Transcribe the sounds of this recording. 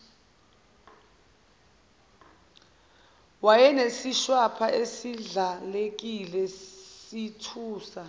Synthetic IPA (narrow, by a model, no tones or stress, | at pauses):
wajɛnesiʃwapʰaesiɮalek̬ʼilɛsitʰuːsa